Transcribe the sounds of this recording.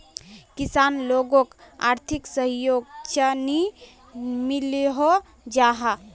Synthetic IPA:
kisanloɡõka̰ɾt̪ʰiksəɦjoɡt͡ʃəni | miliɦo | d͡ʒaɦa

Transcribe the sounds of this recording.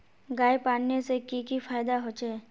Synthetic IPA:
ɡaːjpaːnnesekikifʰaːjd̪aɦoːt͡ʃeː

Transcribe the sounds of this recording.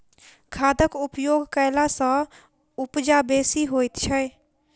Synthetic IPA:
kʰad̪əkupjoɡkəjlasə̃ | upd͡ʒabesiɦojt̪t͡ʃʰə

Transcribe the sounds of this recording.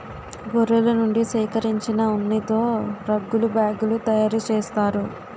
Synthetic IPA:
ɡoɾelɐnuɳɖisiːkɐɾiɲt͡ʃinɐunːit̪o̞ːɾɐɡːulubaːɡulut̪ɐjaːɾut͡ʃeːst̪aːɾu

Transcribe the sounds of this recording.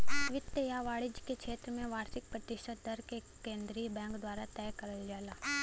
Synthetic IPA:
ʋɪt̪jəjaʋaːɭɪd͡ʒkekʰeːt̪ɾəmẽʋaːɾsɪk̚pɾət̪ɪʃət̪̚d̪əɾke | kẽːnd̪ɾiːbɛ̃ːŋkd̪waːɾat̪ɛːkɐɾəld͡ʒaːlaː

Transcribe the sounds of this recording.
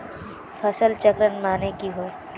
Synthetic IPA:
fʰɐsəlt͡ʃəkɾənmaːnekiɦoe

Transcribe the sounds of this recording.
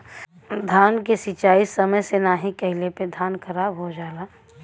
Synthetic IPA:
d̪ʱaːnkesɪt͡ʃaːisɐməjsenaːɦikɐɦɪleped̪ʱaːnkɐɾaːbɦod͡ʒaːlaː

